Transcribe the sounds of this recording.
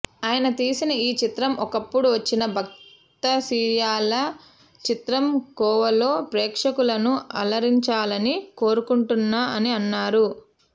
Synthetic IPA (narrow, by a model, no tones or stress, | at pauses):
aːjɐnɐt̪iːsinɐiːt͡ʃit̪ɾɐmɔkɐpːuɽuʋɐt͡ʃːinɐbʱɐk̚ | t̪ɐsiːjaːlɐ | t͡ʃit̪ɾɐmkɔːʋɐlo̞ːpɾeːkʂɐkulɐnuɐ̰lɐɾiɲt͡ʃaːlɐniko̞ːɾukuɳʈunːaːʔɐniɐnːaːɾu